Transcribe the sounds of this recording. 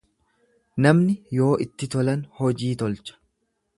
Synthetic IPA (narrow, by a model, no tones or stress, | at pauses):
nɐmnɪjo̞ːʔɪt̪ːɪt̪ɔlɐnhɔd͡ʒiːt̪ɔlt͡ʃɐ̥